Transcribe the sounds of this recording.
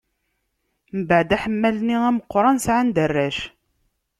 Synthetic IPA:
məbəʕd̪æħəmːælniæməqːɾˤɑnsʕand̪ərːæʃ

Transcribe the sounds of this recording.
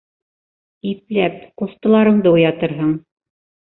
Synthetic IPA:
iplæp̚qust̪ɤ̆lˠɑɾɤ̆ɴd̪ɤujɑt̪ɤ̆ɾɦɤɴ

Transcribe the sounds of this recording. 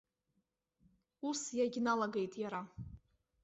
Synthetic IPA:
usjaɡʲnalaɡe̞jtʼjaɾa

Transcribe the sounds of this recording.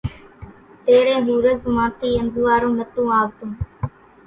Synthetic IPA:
t̪eːɾẽːɦuːɾəzmãːt̪ʰiːənzuːaːɾõːnət̪ũːaːʋt̪õː

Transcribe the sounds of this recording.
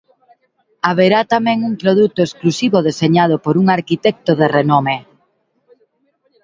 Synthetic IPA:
aβeɾat̪amɛ̃ŋuŋpɾoðut̪oesklusiβoðeseɲað̞ʊpoɾuŋaɾkit̪ɛk̚t̪oðerenome

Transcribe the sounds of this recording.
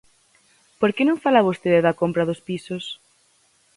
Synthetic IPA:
poɾkenõŋfalaβost̪eðɪðɐkompɾɐðʊspisʊs

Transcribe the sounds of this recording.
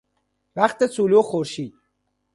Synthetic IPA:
væχt̪esuːluxoɾʃiːd̪̥̚

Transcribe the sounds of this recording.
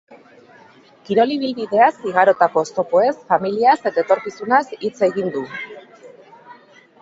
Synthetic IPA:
kiɾo̞liβ̞ilβiðe̞asiɣ̞aɾo̞t̪ako̞st̪o̞po̞e̞sfamiliase̞t̪aet̪o̞ɾkisunasit͡se̞ɣind̪u

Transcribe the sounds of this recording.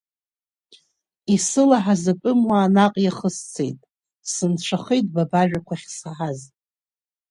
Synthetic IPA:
isɨlaħazapʼʊmwaːnaqʼjaχəst͡sʰe̞̰jtʼ | sɨnt͡ɕʷʰaχejtʼbabaʒᶣakʷʰaχʲsaħaz

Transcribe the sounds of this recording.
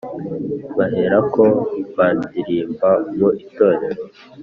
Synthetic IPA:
βahe̞ɾako̞βaːndiɾiːmbamoʔito̞ːɾe̞ɾo

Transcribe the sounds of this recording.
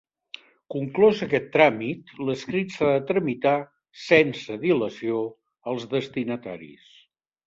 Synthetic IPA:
kuŋklɔzəkɛt̪ːɾamit̪ləskɾit̪saðət̪ɾəmit̪a | sɛnsəðiləsio | əlˠzðəst̪inət̪a̰ɾḭs

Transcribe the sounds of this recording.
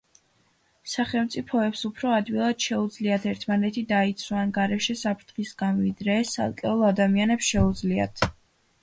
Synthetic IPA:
saχɛlˠmt̪sʼipʰɔɛpsupʰɾɔad̪wilˠad̪̥ʃɛud̪zliat̪ʰɛɾt̪ʰmanɛt̪ʰid̪ait̪sʰwaːnɡaɾɛʃɛsapʰɾt̪ʰχisɡ̥anvid̪ɾɛːsa̰lˠkʼɛulˠad̪amianɛpsʃɛud̪zlia̰t̪ʰ

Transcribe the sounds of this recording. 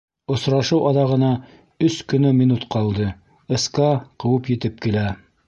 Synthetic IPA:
ŏsɾɑʃɤwʔɑðɑʁɤ̆nɑ | ɵskɵ̆nɵminut̪qɑlˠd̪ɤ | ɤ̆sqɑqɤ̆wɤpjɘ̆t̪ɘp̚kilæ

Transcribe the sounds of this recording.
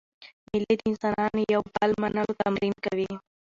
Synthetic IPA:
mɪled̪əɪnsɑnɑnjawbəlmanəlot̪amɾimkawi

